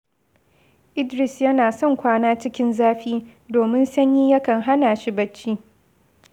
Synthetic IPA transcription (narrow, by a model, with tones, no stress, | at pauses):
ʔɪ˦dɾɪ˨sjɐ˦naː˨sɔ˦˨ŋkʷaː˦naː˦t͡ʃɪ˦kʲɪ˦nzaː˦ɸiː˦doː˨mɪ˦nsɐ˦ɲjiː˦jɐ˦kɐ˨ŋɦa˦naː˨ʃi˦bɐ˦t͡ʃːiː˦